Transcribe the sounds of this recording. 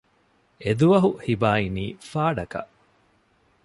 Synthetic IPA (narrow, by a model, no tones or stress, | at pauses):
ed̪uʋɐɦuhibaːiniːfaːɖɐkɐ̰ʔ